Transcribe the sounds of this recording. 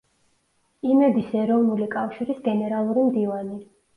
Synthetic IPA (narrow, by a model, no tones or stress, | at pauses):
imɛb̪isɛɾɔvnulikʼafʃiɾisɡɛnɛɾalˠuɾimd̪ivani